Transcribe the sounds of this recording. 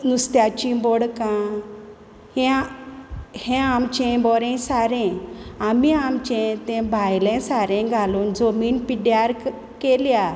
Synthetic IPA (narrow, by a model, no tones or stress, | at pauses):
nust̪jat͡ɕĩbɔɽkã | hɛ̃ | hɛ̃amt͡ɕɛ̃bɔɾɛ̃saɾɛ̃amiamt͡ɕɛ̃t̪ɛ̃bʱajlɛ̃saɾɛ̃ɡʱaluːnd͡zomiːnpiɖjaɾ | kelja